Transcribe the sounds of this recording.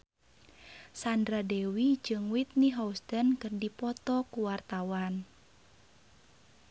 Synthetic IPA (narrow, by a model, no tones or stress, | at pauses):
sandɾadɛwid͡ʒɨŋwit̪̚niɦaust̪ənkɨrdipɔt̪ɔkuwart̪awan